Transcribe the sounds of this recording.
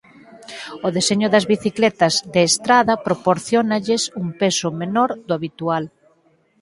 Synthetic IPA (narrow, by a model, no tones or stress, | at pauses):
oðeseɲʊðɐzβiθiklɛt̪ɐzðeːst̪ɾaðɐpɾopoɾθjɔnɐʎɪsumpesʊmenɔɾd̪ʊaβit̪ual